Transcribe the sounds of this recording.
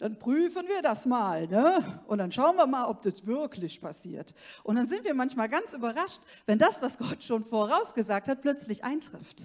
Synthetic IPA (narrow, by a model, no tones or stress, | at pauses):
d̥anpʁ̥yːfənviːɐdasmaːlnəʔʊntd̥anʃaʊənviːɐmaːlɔp̚d̥ɛsv̥ɪɐkʰlɪçpʰasḭːɐt | ʔʊntd̥anzɪntv̥iːɐmançmaːlɡant͡sʔyːbɐʁaʃtvɛndasv̥asɡ̥ɔtʃoːnfoɐʁaʊsɡ̥əzaːk̚that̚pʰl̥œt͡slɪçʔa̰ɪntʁ̥ɪft